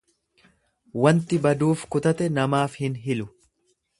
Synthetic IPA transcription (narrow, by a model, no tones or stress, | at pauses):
wɐnt̪ɪbɐd̪uːfkʊt̪ɐt̪ɛnɐmaːfhɪnɦɪlʊ